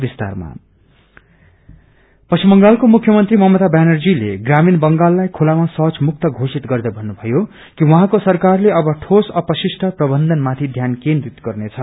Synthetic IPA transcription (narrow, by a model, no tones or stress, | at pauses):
bist̪a̰rma̰ | pʌsʰimbʌŋɡalkomukʰːjʌmʌnt̪rimʌɦmʌt̪abjanʌrd͡zileɡraminbʌŋɡalːajkʰulamasʌt͡smuk̚t̪ʌɡʱosit̪ɡʌrd̪ʌbʱʌnːubʱʌjo | kiwʌɦãkosʌrkarleʌbʌʈʰosʌpʌsisʈʰʌprʌbʌnd̪ʱʌnmat̪ʰid̪ʱjankend̪rit̪ɡʌrnet͡sʰʌ